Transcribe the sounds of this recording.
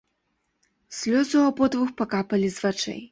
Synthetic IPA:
sʲlʲɔzuapɔd̪vuxpakapɐlʲizvat͡ʂɛ̰j

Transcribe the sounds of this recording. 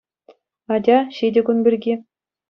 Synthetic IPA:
ɑd͡ʑʲɑɕidʲɘ̆ɡunbʲirʲɡʲi

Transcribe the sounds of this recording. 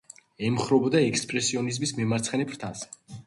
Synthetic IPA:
ɛmχɾɔbɔd̪aɛkspʼɾɛsiɔnizmismɛmaɾt̪sχɛnɛpʰɾt̪ʰasɛ

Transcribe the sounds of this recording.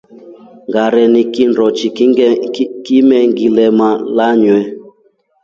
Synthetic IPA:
ŋɡaɾɛnikinɾɔt͡ʃikimɛŋɡilɛmalaɲwɛ

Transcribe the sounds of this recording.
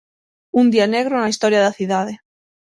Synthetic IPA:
und̪ianeɣɾonaist̪oɾjaðaθiðað̞e

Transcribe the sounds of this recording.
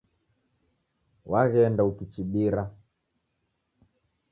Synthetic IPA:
waɣɛndaukit͡ʃiɓiɾa

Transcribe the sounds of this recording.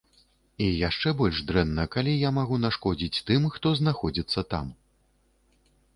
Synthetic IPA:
ijaʂt͡ʂɛbɔlʲʐd̪ɾɛnːɐkalʲijamaɣunaʂkɔd͡zʲit͡sʲt̪ɨmxt̪ɔznaxɔd͡zʲit̪sːɐt̪a̰m

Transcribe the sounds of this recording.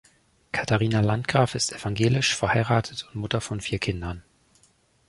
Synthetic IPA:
kʰataʁiːnalantɡ̥ʁaːfɪstɛfaŋɡeːlɪʃfɛɐhaɪʁaːtʰətʰʊntmʊtɐfɔnfiːɐkʰɪndɐn

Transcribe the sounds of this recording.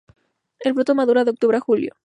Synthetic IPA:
elpɾot̪omaðuɾaðeok̚t̪uβɾaxuljo̰

